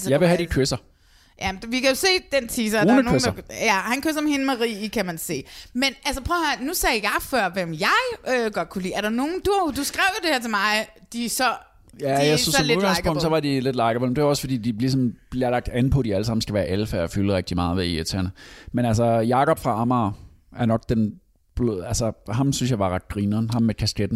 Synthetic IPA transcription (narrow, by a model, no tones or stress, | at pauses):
jɑ̈ɪʋe̝ɦæd̥ikʰøsɐ | jæ̥ʋikʰæjo̝se̝̰ːd̥ent͡sʰiːs̬ɐɐɑnənoeɐjæhænkʰøs̬ɐmhe̝nəmæʁḭːkʰæmænse̝̰ːmenʔælsəpʰʁɔhæɐnusɛːjɑ̈ɪfɶɐ̰ʋem̰jɑ̈ɪøɡ̥ɒd̥̚kʰulḭːæɐɾɑ̈no̝ːn̩d̥ujod̥usɡ̥ʁɛʊjod̥e̝heɐt͡sʰe̝mɑ̈ɪ | d̥isɒ̽ | jæjasnsmuɡ̥ɑ̈ŋspʰɔ̽ŋ̰d̥sɒʋɑ̈d̥ile̝d̥lɑ̈ɪɡ̥əpʰɒ̥̽em̩deʋæɒ̽sfɒ̽d̥ḭːd̥ilisɒ̽mb̥lieɐlɑ̈ɡ̥̚d̥ænpʰɒ̽d̥iæləsɑ̈mn̩sɡ̥æʋæːɐʔelfæɐɒfyləʁɛɡ̥̚d̥imɑ̈ːð̩ˠʋeiet͡sʰæɐnəmenælsɐjɑ̈ːkɒ̽b̥fʁɑ̈ɑmɑː | æɐnɒ̽ɡ̥d̥en | b̥leælsɐɦɑ̈msynsjɑ̈ɪʋɑ̈ʁɑ̈d̥̚ɡ̥ʁiːnəɦɑ̈mːekʰæsɡ̥ed̥n̩